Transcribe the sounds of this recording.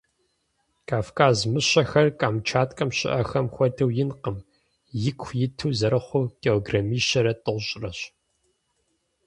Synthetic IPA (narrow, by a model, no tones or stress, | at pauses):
kʰaːfkʰaːzmɨɕɐxɐrkʼaːmt͡ʃʰaːtʼkʼɐmɕɪ̰ʔɐxɐmxʷɔdɨwjɪnqəm | jɪkʰʷjɪtʰɨːzɐɾɐχʷʊkʼeoɡrɐmiːʃɐɾɐtʼɨʁʷɕʼrɐɕ